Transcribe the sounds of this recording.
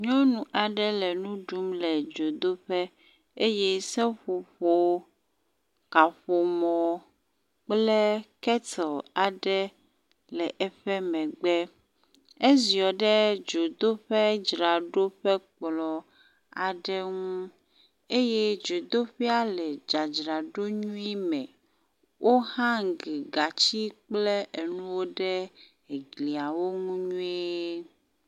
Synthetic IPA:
ɲɔ̃˦nũ˨ʔa˨ɖɛ˦lɛ˨nũ˦ɖu˦mlɛ˨d͡ʒo˨d̪o˦ɸɛ˦ | e˦jɛ˦sɛ˦ɸo˨ɸo˨ | ka˨ɸo˨mɔ̃˨ | k͡plɛ˦kɛ˦t̪ɔ˨a˨ɖɛ˦ | lɛ˨ʔɛ˦ɸɛ˦mɛ̃˨ɡ͡bɛ˦ | e˦zi˨ɔ˨ɖɛ˦d͡ʒo˨d̪o˦ɸɛ˦d͡ʒɾa˨ɖo˦ɸɛ˦k͡plɔ˨ | a˨ɖɛ˦ŋũ˦ | e˦je˦d͡ʒo˨d̪o˦ɸi˦a˦lɛ˨d͡ʒa˨d͡ʒɾa˨ɖo˦ɲũ˦i˦mɛ̃˨ | wʔo˦hã˦ŋ˨ɡi˨ɡa˨t͡ɕi˦k͡ple˦ʔe˨nũ˦wo˦ɖɛ˦ | e˨ɡli˨a˨wo˦ŋũ˦ɲũ˦ie˦

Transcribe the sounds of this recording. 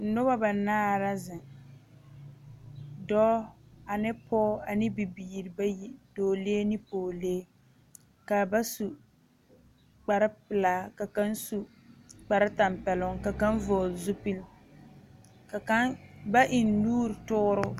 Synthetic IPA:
n̩˨nʊ˦ba˦ba˨naː˦ɾa˦zɪ˨ | dɔ˦a˨nɪ˦pʰɔː˦a˨nɪ˦bi˨biː˨ɾɪ˨ba˦ji˦doː˨leː˦nɪ˦poː˨leː˦ | ka˨ba˦su˨ | k͡pa˨ɾɪ˦pɪ˨laː˦ka˨ka˦n˦su˨ | k͡pa˨ɾɪ˦ta˨mpɛ˨lʊ˦ŋka˨ka˦n˦voː˨lzʊ˦pi˦l | ka˨ka˦ba˦ʔɪ˨nːuː˦ɾtʊ˦ɾʊ˦

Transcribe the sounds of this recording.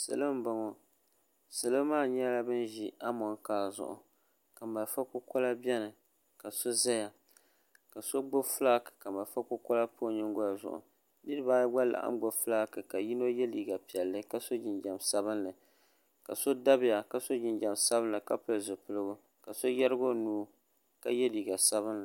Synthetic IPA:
sɨ̰˨lɨ˦m˦ba˨˦ŋo˨ | sɨ˨lɨ˦maː˦˨ɲɛ˦la˦bɨ˦nʒi˦a˦mɔ˨ŋkaː˦zʊ̰˨ʔʊ̰˨ | ka˨ma˨fa˦kʊ˦kɔ˦la˦bɛ˦nɨ˨ | ka˨so˦za˦ja˨ | ka˨so˦ɡ͡bo˦fla˦kɨ̥˨ka˨ma˨lfa˦kʊ˦kɔ˦la˦pʰo˦ɲɪ˦ŋɡʊ˦ja˨zʊ̰˨ʔʊ̰˨ | ni˦dɨ˦baː˦jɡa˦la̰˨ʔa̰˦m˦ɡ͡bo˦flaː˦kɨ˨ka˨ji˦no˦jɛ˦liː˨ɡa˨pi˨ɛ˨lːɨ˦ka˦so˦d͡ʒɪ˨nd͡ʒa˨msa˦bɨ˦nlɨ˨ | ka˨so˦da˦bɪ˦ja˨ka˨so˦d͡ʒɪ˦nd͡ʒa˨msa˦bɨ˦n˦lɨ˨ka˦pɨ˨lzɨ˨pɨ˦lɨ˦ɡʊ˦ | ka˨so˦jɛ˦ɾɨ˦ɡo˦nuː˦ | ka˦jɛ˦liː˨ɡa˨sa˦βɨ˦nlɨ˨

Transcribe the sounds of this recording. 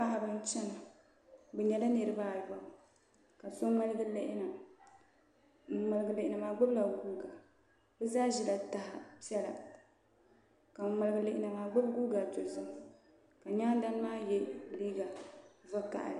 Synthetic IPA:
pa˦ha˨bɨ˦n˦t͡ʃɛ˦na˨ | bɛ˨ɲɛ˨la˦nɨ˨ɾɨ˦baː˦˨ja˨ | ka˨so˦ma˦lɨ˦ɡɨ˦le˦ʔɪ˦na˨˦ | ma˨lɨ˨ɡɨ˨le˨ʔɪ˨na˨maː˨ɡ͡bʊ˦bla˨ɡuː˦ɡa˨ | bɛ˦zaː˦ʒi˦˨la˨ta˨ha˨pɛ˦la̰˨ | ka˨ma˨lɨ˨ɡɨ˨le˨ʔɪ˦na˨maː˨ɡ͡bʊ˦bɡu˦ɡa˨tʊ˨zɨ˦m˨ | ka˨ɲaː˦n˦da˦n˦maː˦jɛ˦˨liː˦ɡa˨va˦ka̰˨ʔlɨ˨

